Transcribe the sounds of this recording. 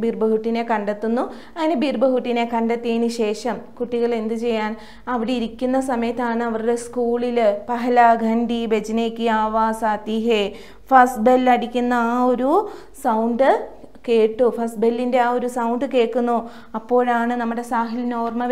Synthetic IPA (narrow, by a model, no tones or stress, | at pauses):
biːrbɐɦuʈːine̞kɐɳɖet̪ːunːu | ɐŋːɐnebirbɐɦuʈːine̞kɐɳɖet̪ːiɐniɕe̞ːʂɐmkuʈːiɣɐɭe̞nd̪ɨt͡ɕe̞jːaːn | ɐʋiɽeiɾikʲːunːɐsɐmɐjɐt̪ːaːɳɨɐʋɐɾuɽe̞skuːɭilpɐɦɐlaːɡʱɐnɖibe̞d͡ʑɐneːkʲːiaːʋaːsaːt̪iɦe | fɐsbelːɐɽikʲːunːɐːo̞ɾu | sɐwɳɖɨ | ke̞ːʈːufɐsbelːinde̞aːo̞ɾusɐwɳɖɨke̞ːʈːunːo | ɐpːo̞ːɭaːɳɨnɐmːuɽe̞saːɦilnoːrmɐʋ